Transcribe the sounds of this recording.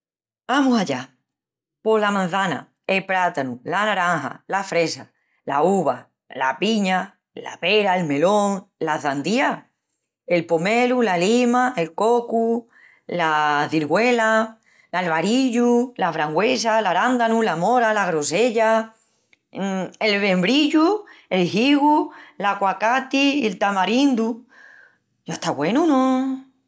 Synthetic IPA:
amusaʎa | po̞lamãn̟θana̰ | elpɾat̪anulanaɾaŋha̰lafɾe̞sa | lauβa | la̰piɲa | la̰peɾaelme̞lõŋlaθand̪ia | e̞lpomelulalimae̞lkoku | laðiɾɣwela | lalβaɾiʎulaβɾaŋɡwesalaɾand̪anũlamoɾalaɣɾose̞ʎa | elβe̞mbɾiʎue̞lɦiɣulakwakat̪ielt̪amaɾind̪u | joht̪aɣwe̞nunõ

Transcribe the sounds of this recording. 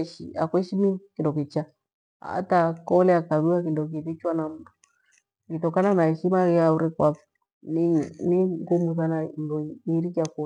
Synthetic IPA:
ʃḭakwɛʃimikindɔkit͡ʃa | a̰takɔlɛakaβiwak̬indɔk̬iβit͡ʃwanam̩du | ŋɡitɔkananaɛʃimaɣɛauɾɛkwafu̥ | niniŋɡumuðananduiɾikaku

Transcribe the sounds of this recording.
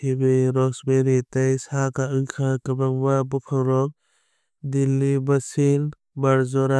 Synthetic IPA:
hibeɾɔksbeɾitajsakaɯjkʰakəbaŋbabɔpʰawɾɔk̚ | dilːibasil | baɾzɔɾa

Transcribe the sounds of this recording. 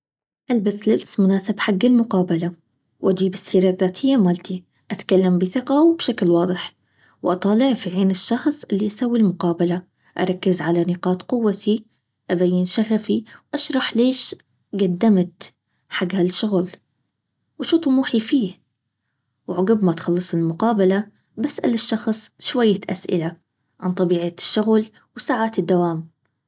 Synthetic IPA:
ʔalbaslɪbsmʊnaːsɪbħaɡːɪlmʊqɑːbala | wʔad͡ʒiːbɪsːiːɾaðːaːt̪ʰɪjːamaːlt̪i | ʔat̪kalːambɪθɪqɑwbʃaklwɑːd̪ˤɨħ | wʔɑt̪ˤɑːlɪʕfiʕeːnɪʃːɑxsˤʔɪlːiʔasaːwːilmʊqɑːbala | ʔɑ̰ɾˤɑkːɪzʕalanɪqɑːt̪qʊwːat̪ʰi | ʔabajːɪnʃaɣafiwʔaʃɾˤɑħleːʃ | ɡad̪ːamt̪ | ħaɡhalʃʊɣl | waʃuːt̪ˤumuːħifiːh | wʕʊɡɪbmaʔt̪xɑlːɨsˤɪlmʊqɑːbala | basʔa̰lɪʃːɑxsˤʃwajːaʔa̰sʔɪ̰la | ʕant̪ˤɑbiːʕaʃːʊɣl | wsaːʕaːt̪ɪd̪ːawaːm

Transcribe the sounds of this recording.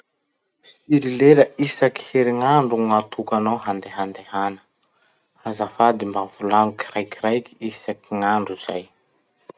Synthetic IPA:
siɾileləisaki̥heɾiŋaɳɖ͡ʐuŋat̪ʰukanawhand̪eɦand̪ehanə̥ | azafad̪imbavulanuki̥rajkirajki̥isakiŋaɳɖ͡ʐuz̥a̰j

